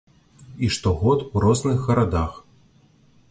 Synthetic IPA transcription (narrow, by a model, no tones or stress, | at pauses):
iʂt̪ɔɣɔt̪uɾɔznɨxːɐɾad̪ax